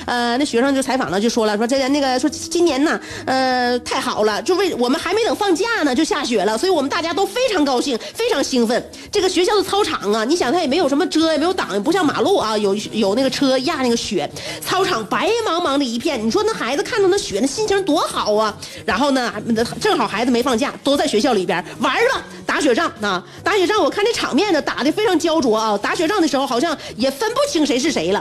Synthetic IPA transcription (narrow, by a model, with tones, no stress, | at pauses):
ə˧n˥˩ɕɥɛ˧˥ʂ̬ɑ˥˧t͡ɕjt͡sʰa˧˥ɪfɑ̰˨˩ŋlə˦t͡ɕjo˥˩ʊʂwɔ˥lə˨˩˥ʂwʈ͡ʂə˥a˧˥na˥˩ɡə˩˥˩ʂwɔ˥t͡ɕt͡ɕi˥njɛ˧˥nnə˧ | ə˧t̪ʰa˥˩ɪxɑ˨˩ʊlə˦t͡ɕjo˥˧˥e˥˩wɔ˨˩mə˦nxa˧˥ɪme˧˥ɪnɤ˨˩fɑ˥˧ŋt͡ɕja˥˩nə˩t͡ɕjo˥˧ʊɕja˥˩ɕɥɛ˨˩lə˦swɔ˧˥i˧˥wɔ˨˩ə˦nt̪a˥˩t͡ɕja˥t̪o˥ʊfe˥ɪʈ͡ʂʰɑ˧˥ŋkɑ˥ʊɕi˥˩ŋfe˥ɪʈ͡ʂʰɑ˧˥ŋɕi˥ŋfə˥˩n | ʈ͡ʂɤ˥˩ɡə˩ɕɥɛ˧˥ɕjɑ˥˧ʊt͡sʰt͡sʰɑ˥ʊʈ͡ʂʰɑ˨˩ŋɐ˧ni˧˥ɕjŋt̪ʰjɛ˨˩m˧˥jo˨˩ʊʂə˧˥mə˧ʈ͡ʂʰɤ˥jɛ˨˩m˧˥ɪjo˧˥t̪ɑ̰˨˩˦ŋjɛ˩pu˧˥ɕjɑ˥˩ŋma̰˨˩lu˥˩ɐ˩jo˨˩ʊ˧˥jo˨˩ʊna˥˩ɡə˩ʈ͡ʂʰɤ˥ja˥˧na˥˩ɡə˩ɕɥɛ˨˩˥t͡sʰɑ˥ʊʈ͡ʂʰɑ˨˩˦ŋpa˧˥ɪmɑ˧˥ŋmɑ˧˥ŋd̪ə˧i˧˥pʰjɛ˥˩nni˨˩ʂwɔ˥nə˥xa˧˥ɪd͡zɹ̩˧kʰa˥˩n˥˩na˥˩ɕɥɛ˨˩nə˥˧ɕi˥nt͡ɕʰi˥t̪wɔ˧˥xɑ˨˩˦ʊɐ˧ɻa˧˥nxo˥˩ʊnə˩˥˧ʈ͡ʂɤ˥˩ŋxɑ˨˩ʊxa˧˥ɪd͡zɹ̩˧˩me˧˥ɪfɑ˥˧ŋt͡ɕja̰˥˩t̪o˥ʊt͡sa˥˩ɪɕɥɛ˧˥ɕjɑ˥˩ʊli˨˩jə̰˥wa˧˥bɐ˨ | t̪a˧˥ɕɥɛ˨˩ʈ͡ʂɑ˥˩ŋɐ˩ | t̪a˧˥ɕɥɛ˨˩ʈ͡ʂɑ˥˩ŋwɔ˨˩kʰa˥˧nʈ͡ʂə˥˩ʈ͡ʂʰɑ̰˨˩ŋmjɛ˥˩nd̪ə˩t̪a̰˨˩d̪fe˥ɪʈ͡ʂʰɑ˧˥ŋt͡ɕjɑ˥ʊʈ͡ʂwɔ˧˥ɐ˧t̪a˧˥ɕɥɛ˨˩ʈ͡ʂɑ˥˩ŋd̪ə˩ʂɻ̩˧˥xo˧ʊxɑ˨˩ʊɕjɑ˥˩ŋjɛ˨˩fə˥npu˥˩t͡ɕʰi˧˥ŋʂe˧˥ɪʂ̬ɻ̩˥˩ʂe˧˥ɪlə˧